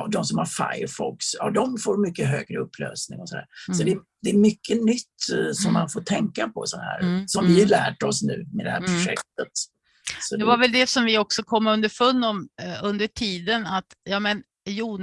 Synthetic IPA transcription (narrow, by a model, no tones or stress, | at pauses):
d̪ɔmsɔmhaɾfa̰jəɾfɔksjɑ̰ːd̪ɔmfoːɾmʏkːəɦøːɡɾəɵpʰːlø̰ːsnɪ̰ŋɔsɔd̪æ̰ːɾsɔd̪ɛ | d̪ɛːɾmʏkʰːənʏt̪ːsɔmːa̰nfoːʈʰɛŋkapʰɔ̰sɔnhæ̰ːɾsɔmvɪalæːʈɔsnʉ̟̰ːmɛd̪ɛhæːɾpʰɾʊɧɛ̰k̚t̪ət̪ | sɔd̪ɛvaɾvɛld̪ɛsɔmvɪɔksɔkʰɔmːɵnd̪əɾfɵnːɔmɵnd̪əʈʰiːd̪ənat̪jɑːmɛn | juːn